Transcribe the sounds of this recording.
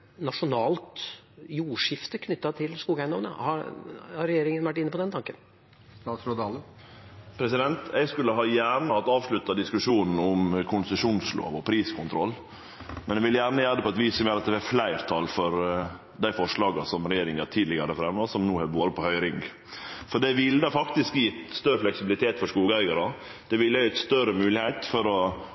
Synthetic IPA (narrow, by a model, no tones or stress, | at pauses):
nɑʂʊnɑːlt̪ | juːʂɪft̪əkʰnʏt̪ːɑt̪ʰɪlskuːɡæɪnɔʋnə̰hɑ | ɾɛjeːɾɪŋənʋæʈːɪnːəpɔd̪ɛnt̪ʰɑŋkən | t̪ɑːsɾɔd̪ɑːlə | pʰɾɛsɪd̪ɛnt̪ʰɛɡskʉlːəɦɑːjæːɾɳəhɑt̪ːɑːʋʂɭʉt̪ːɑd̪ɪskʉʂuːnn̩ɔmkʰʊnsəʂuːnslo̰ːʋɔpʰɾiːskʰʊnt̪ʰɾɔ̰lː | mɛnɛʋɪljæːɾnəjæːɾd̪əpʰɔɛt̪ʋiːsɔmjøːɾɑt̪̚d̪ɛɛflæɪɾt̪ʰɑlfɔɾ | d̪æɪfɔʂɭɑːɡɑsɔmɾɛjeːɾɪŋɑt̪ʰiːd̪lɪɡəɾəfɾɛmːɑsɔmnuːhɛboːɾəpʰɔhœʏɾɪŋɡ | fɔɖɛʋɪlːəd̪ɑfɑkt̪ɪskjɛt̪st̪œɾːəflɛksɪbɪlɪt̪ʰeːt̪fɔʂkuːɡ̪əæɪɡɑɾə | d̪̥ɛʋɪlːjɛt̪st̪œɾəmʉːlɪheːt̪fɔɾɔ